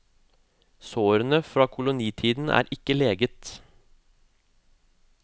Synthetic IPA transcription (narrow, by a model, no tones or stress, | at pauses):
soːɾənəfɾɑːkʰʊlʊniːt̪ʰiːd̪n̩ʔæ̰ːɾɪkəleːɡət̪